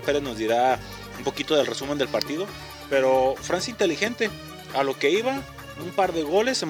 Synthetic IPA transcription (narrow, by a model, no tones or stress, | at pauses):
pe̞ɾe̞zno̞zd̪iɾa | umpo̞kit̪o̞ðe̞lre̞sume̞nd̪e̞lpaɾt̪iðo̞ | pe̞ɾo̞fɾansjaint̪e̞lixe̞nt̪e̞ | alo̞ke̞iβa | umpaɾðe̞ɣo̞le̞se